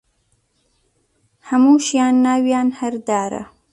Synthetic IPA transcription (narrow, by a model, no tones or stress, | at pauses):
hamuʃjɑːnːaːwjɑːnhaɾd̪ɑːɾa̰